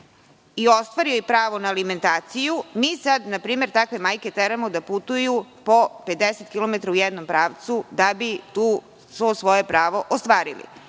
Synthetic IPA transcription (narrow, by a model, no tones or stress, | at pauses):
io̞st̪ʋaɾiojpɾaːʋo̞naːlime̞nt̪aːt̪sijumiːsad̪napɾiːme̞ɾt̪akʋe̞maːjke̞t̪eɾamo̞d̪aput̪ujupo̞ped̪eset̪kʲilˠo̞met̪ɾaujɛd̪no̞mpɾaːʋt̪sud̪abit̪uː | sosʋo̞jepɾaːʋo̞ʔost̪ʋaːɾḭlḭ